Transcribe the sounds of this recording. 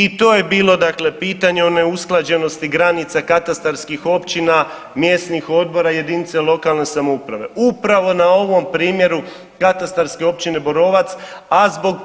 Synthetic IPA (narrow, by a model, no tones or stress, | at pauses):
it̪o̞ːje̞biːlˠo̞d̪akle̞piːt̪aɲeo̞ne̞usklˠad͡ʑe̞no̞st̪iɡɾanit̪sakat̪ast̪aɾskixo̞pt͡ɕina | mje̞snixo̞d̪̚bo̞ɾaje̞d̪init̪selˠo̞kalˠne̞samoupɾaʋe̞ʔupɾaʋo̞nao̞ʋo̞mpɾiːmje̞ɾu | kat̪ast̪aɾske̞o̞p̚t͡ɕine̞bo̞ɾo̞ːʋat̪sazbo̞ɡ